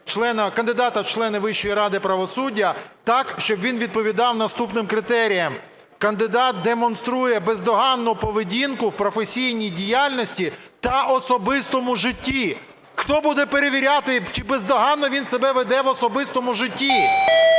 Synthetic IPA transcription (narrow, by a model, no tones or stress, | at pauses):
t͡ʃlˠɛnɐkɐnd̪ɪd̪ɑt̪ɐt͡ʃlˠɛnɪʋɪʃɔjiɾɑd̪ɪpɾɐʋɔsudʲːɐt̪ɑkʃt͡ʃɔbʋʲinʋʲid̪̚pɔʋʲid̪ɑwnɐst̪upnɪmkɾɪt̪ɛɾʲijɐm | kɐnd̪ɪd̪ɑt̪̚d̪emɔnst̪ɾujɛbezd̪ɔɦɑnːʊpɔʋɪdʲinkʊwpɾɔfesʲijnʲijdʲijalʲnɔsʲtʲit̪ɐʔɔsɔbɪst̪ɔmʊʒɪtʲːi | xt̪ɔbud̪ɛpeɾeʋʲiɾʲat̪ɪt͡ʃɪbezd̪ɔɦɑnːɔʋʲinsebɛʋed̪ɛʋɔsɔbɪst̪ɔmʊʒɪtʲːi